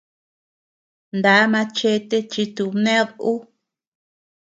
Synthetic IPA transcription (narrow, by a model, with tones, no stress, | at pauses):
nd̪a˨˦mã˧t͡ʃe˧t̪e˦t͡ʃi˧t̪u˧nẽ˦ðu˦